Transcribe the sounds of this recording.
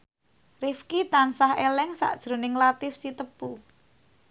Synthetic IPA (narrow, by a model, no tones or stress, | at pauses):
rifkit̪ansahelɛŋsa̰ʔd̥ʒ̥ɾo̤nɪŋlat̪ɪfsit̪əpu